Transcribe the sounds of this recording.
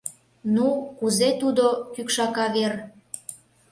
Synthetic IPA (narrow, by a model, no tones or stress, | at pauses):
nukuzet̪ud̪okykʃɑkɑβer